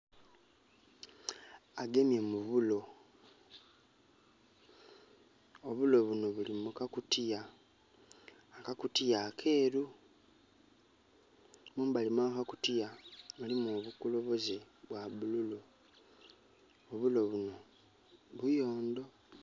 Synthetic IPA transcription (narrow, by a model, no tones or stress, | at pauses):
aɡe̞mje̞muβulo̞ | oβulo̞βuno̞βulimukakutija | kakutijakʰe̞ːɾu | muːmbalimakakutijamulimoβukulo̞βo̞zi | βwaβululo | oβulo̞βuno̞ | βujo̞ːnd̪o̞